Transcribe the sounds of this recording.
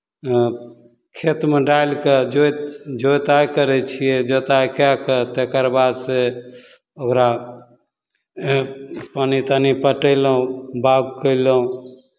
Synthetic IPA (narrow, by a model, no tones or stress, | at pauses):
kʰet̪meɖajlked͡ʒot̪d͡ʒojt̪ajkəɾɛt͡ʃʰijed͡ʒot̪ajkakət̪ekəɾbad̪se | okɾa | panit̪anipəʈəɪləɦũbaɡ̚kəɪləɦũ